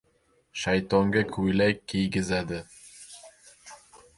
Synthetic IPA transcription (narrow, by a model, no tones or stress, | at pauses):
ʃajt̪oŋɡakʰujlæjkːijɡɪzæd̪ɪ